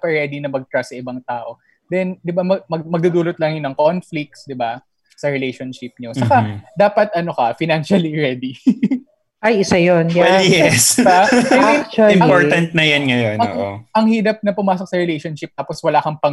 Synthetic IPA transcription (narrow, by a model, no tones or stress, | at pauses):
pɐɹɛːd̪inɐmɐɡ̚t̪ɾasɐʔɪbaŋt̪aːʔo̞ | d̪ɛnd̪ɪbamɐmɐɡmɐɡ̚d̪ud̪uːlot̪lɐŋjonɐŋkonflɪk̚sd̪ɪba | sɐɹɛlejʃonʃɪp̚ɲosɐkad̪aːpɐt̪̚ɐno̞kɐfɪnanʃɐliɹɛd̪i | ʔɐjʔɪsajonjajɛsamɛt͡ʃɐɪmɐpoɹɐnt̪̚nɐjɐnŋɐjonɐo̰ʔo̰ʔɐŋhiːɾɐp̚nɐpʊmaːsok̚sɐɹɛlejʃonʃɪp̚t̪aːposwɐlaːkɐŋpɐŋ